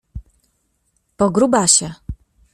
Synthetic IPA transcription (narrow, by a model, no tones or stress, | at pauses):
pɔɡɾubaɕɛ